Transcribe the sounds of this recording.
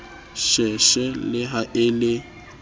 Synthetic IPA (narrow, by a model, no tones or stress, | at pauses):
ʃɛʃɛlɪɦaʔɪlɪ